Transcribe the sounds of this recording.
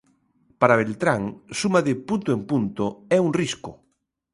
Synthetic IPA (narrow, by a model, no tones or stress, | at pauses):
paɾaβ̞elt̪ɾaŋsumaðɪpunt̪oempunt̪oɛuŋriskʊ